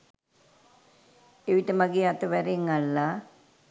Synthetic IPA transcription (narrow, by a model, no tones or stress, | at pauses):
eʋiʈəmaɡeat̪əʋɛɾeŋalːa